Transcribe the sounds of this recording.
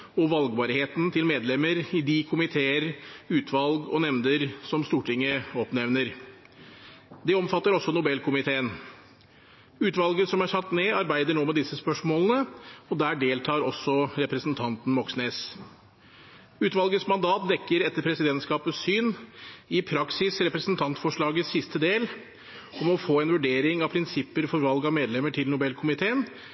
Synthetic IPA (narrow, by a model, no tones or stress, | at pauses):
ɔʋɑlɡbɑːɾheːt̪nt̪ʰɪlmeːd̪lɛmːəɾɪd̪ɪkʰʊmɪt̪ʰeːəɾʉːt̪ʰʋɑlɡɔ̰nɛʋnd̪əɾsɔmst̪uːʈɪŋːəɔpnɛʋnəɾ | d̪ɛɔmfɑt̪ːəɾɔsːɔnʊbɛlkʰʊmɪt̪ʰeːən | ʉːt̪ʋɑlɡəsɔmæʈɑt̪ːneːɑɾbæɪd̪əɳoːmɛd̪ɪsəspœʂmoːlənəɔd̪æːɖeːlt̪ʰɑːɾɔsɔɾɛpɾɛsnt̪ʰɑnt̪n̩mɔksneːs | ʉːt̪ʋɑlɡəsmɑnd̪ɑːt̪̚d̪ɛkːəɾɛt̪ːəɾpʰɾɛsɪd̪ɛnt̪skɑːpəsyːnɪpʰɾɑksɪsɾɛpɾɛsn̩t̪ʰɑnt̪fɔʂɭɑːɡəsːɪst̪əd̪eːl | ɔmɔfoːɛnʋʉɖeːɾɪŋɑpʰɾɪnsɪpːəɾfɔɾʋɑlɡɑmeːd̪lɛməʈʰɪlnʊbɛlkʰʊmɪt̪ʰeːən